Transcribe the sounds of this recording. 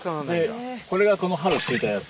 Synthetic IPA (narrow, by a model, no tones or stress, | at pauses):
d̪e̞ko̞ɾe̞ɡako̞no̞ɦaɾɯt͡sɨit̪ajat͡s